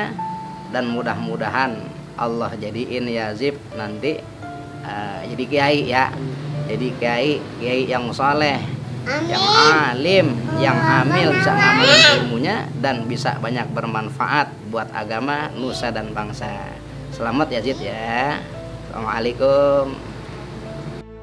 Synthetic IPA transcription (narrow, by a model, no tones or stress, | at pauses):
a | danmudahmudaɦan | ʔɑ̰lːɔhd͡ʒadiʔɪnjazɪp̚nant̪i | əd͡ʒadikəaiʔjad͡ʒadikəaiʔkəjaiʔjaŋsolɛhjaŋalɪmjaŋamɪlbisamamilnt̪əmuɲadanbisa̰ʔbaɲak̚bərmanfa̰ʔat̪̚buat̪a̰ɡamanusadanbaŋsa̰ | səlamat̪̚jazɪt̪̚ja | sa̰maalekʊm